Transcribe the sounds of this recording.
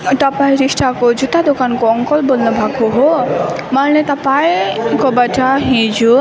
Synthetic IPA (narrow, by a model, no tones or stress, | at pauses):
ʈ̪apajɾisʈakod͡ʒut̪ad̪okankɔɔŋkɔlbɔnːɔbʱaɡɦoɦomalnet̪apajkɔbaʈaɦĩd͡ʒu